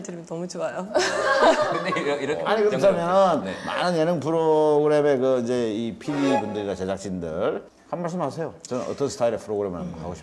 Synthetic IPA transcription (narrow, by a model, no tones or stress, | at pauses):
tɯɾmnʌmut͡ɕiajo | iɾkʰeaɲikɯɾt͡ɕʰamjʌnɯnnema̰nɯnjenɯŋpʰɯɾoɡɯɾeme̞kɯid͡ʑe̞ipʰibibundɯɾiɡat͡ɕe̞d͡ʑak̚t͡ɕ͈indɯ̰ɭ | hanmaɭs̬͈ɯmhasʰe̞jot͡ɕʌnɯnʌ̰t͈ʌnsʰɯ̥tʰaiɾepʰɯɾoɡɯɾemɯɭanbokʰaɡoɕi̥